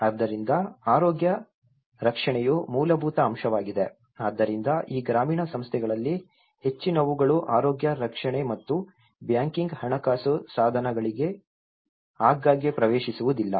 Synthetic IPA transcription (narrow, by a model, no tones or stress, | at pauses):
ɐd̪ːɐɾind̪ɐaːɾoːɡjɐ | ɾɐkʂɐɳɛjumuːlɐbʱuːt̪ɐːmʃɐʋaːɡid̪e̞ | aːd̪ːɐɾind̪ɐʔiːɡɾaːmiːɳɐsɐmst̪ʰɛɡɐɭɐlːi | he̞t͡ʃːinɐʋuɡɐɭuʔaːɾoːɡjɐɾɐkʂɐɳɛmɐt̪ːu | bjaːŋkiŋɡhɐɳɐkaːsusaːd̪ʱɐnɐɡɐɭiɡe̞ | aːɡːaːɡepɾɐʋeːʃisuʋud̪ilːɐ